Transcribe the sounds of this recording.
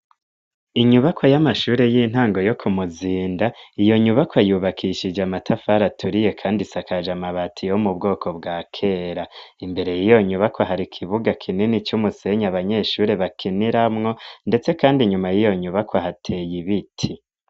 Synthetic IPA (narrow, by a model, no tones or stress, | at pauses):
iɲuβakʰo̞jamaʃuːɾe̞jiːn̥haːŋɡo̞jo̞kʰumuziːndaijo̞ɲuβakwajuβakʰiʃid͡ʒeamatʰafaɾatʰuɾije̞kʰaːndisakad͡ʒamaβatʰijoumubɡo̞ːkʰo̞bɡaːkʰe̞ːɾaimbe̞ɾe̞jijo̞ɲuβakʰoɦaɾikʰiβuɡakʰininit͡ʃumuse̞ɲaβaɲe̞ːʃuːɾe̞βakʰiniɾamŋo̞nde̞t͡se̞kaːndiɲumajijo̞ɲuβakwoɦatʰe̞jiβitʰi